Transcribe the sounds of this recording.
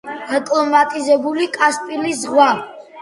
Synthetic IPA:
ɛkʼlˠɔmat̪ʼizɛbulikʼaspʼilisʁwa

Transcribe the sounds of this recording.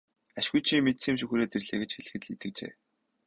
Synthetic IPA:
aʃɣujt͡ɕʰimet̪siːmʃ̬uxuɾeːt̪erɮeːɣĕt͡ɕxeɮɘ̆xɘ̆t̪ɮit̪ɘ̆k̚t͡ɕḛː

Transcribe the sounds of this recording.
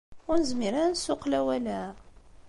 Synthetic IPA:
ʊɾnəzmiɾænsʊqlæwælæ

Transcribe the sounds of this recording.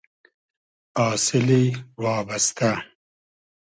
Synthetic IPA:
ɑːsɪliwɑːbast̪a

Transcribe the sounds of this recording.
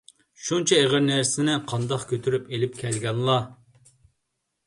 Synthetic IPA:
ʃunt͡ʃʰɛeʁəɾnæɾsɪnɪqʰɑnd̪ɑqkʲʰøt̪ʰyɾypelɪp̚kʲʰɛlɡʲɛnlˠɑ

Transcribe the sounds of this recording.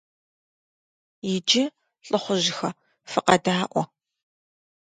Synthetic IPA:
jɪd͡ʒɪ | ɬʼɨχʷʊʑɪxɐ | fɨqɐdaːʔʷɔ

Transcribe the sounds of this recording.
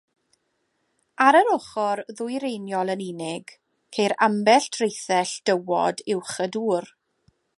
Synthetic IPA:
aɾəɾʊχɔrðʊjɾenjɔlˠənɪnɪɡ | kʰejɾambɛɬtʰrejθɛɬd̥əwɔ̰dɪwχəduːr

